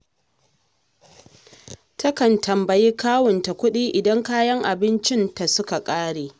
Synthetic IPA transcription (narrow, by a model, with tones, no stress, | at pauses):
tɐ˦kɐ˨ntʰɐ˨mbɐ˨jiː˦kaː˦wʊ˨nta˨kʷʊ˦ɗiː˦ʔɪ˨dɐ˦ŋkaː˦jɐ˦ŋʔa˨bɪ˦nt͡ʃɪ˦nta˨sʊ˦ka˨kʼaː˦ɽeː˨